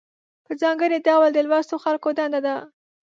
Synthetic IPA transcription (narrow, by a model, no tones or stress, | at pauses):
pəzɑŋɡəɾed̪awald̪əlwast̪oxalkod̪and̪ad̪a